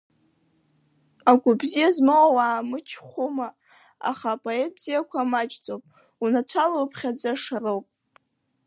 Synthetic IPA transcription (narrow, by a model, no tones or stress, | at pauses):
aɡʷʊbzijazmawawaːmɨt͡ʃʰχʷuma | a̰χapʼoe̞t̚ʼbz̥ijakʷʰamat͡ʃʼt͡sʼowpʼ | unat͡ʃʷʰalopʰχʲad͡zaʂarowpʼ